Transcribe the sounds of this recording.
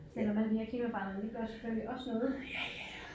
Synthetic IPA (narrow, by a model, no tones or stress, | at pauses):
selɒ̽mhænd̥ihæɐkʰiməb̥ɑ̈ːnɐd̥iɡ̥ɶɐsɒ̥fʰøliʔɒ̽snɔ̽ːðˠ